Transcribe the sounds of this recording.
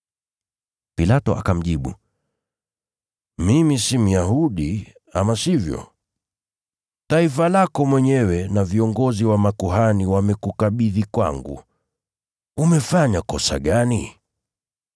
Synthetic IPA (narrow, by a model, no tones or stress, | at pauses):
pilatɔ̰ʔa̰kam̩ʄiɓṵ | mimisim̩jahuɗi | a̰masivjɔ̰ | taifalakɔmwɛɲɛwɛnaviɔŋɡɔziwamakuɦaniwamɛkukaɓiðikwa̰ŋɡṵ | umɛfaɲakɔsa̰ɠani